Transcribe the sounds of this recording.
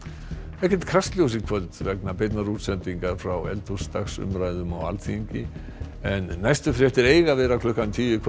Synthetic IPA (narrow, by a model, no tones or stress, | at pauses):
ɛhcɛnt̪kʰɾast̪ljows̬ikʰvœlt̪vɛknapeːjt̪naɾut̪sɛnt̪iŋkaɾ̥fɾawɛ̰lt̪u̥st̪axsʏ̰mɾajðʏmawa̰lθiɲcɪ | ɛnːajst̪ʏfɾjɛht̪ɛɾeːjɣavɛːɾakʰlʏhkat̪ʰiːjʏkʰ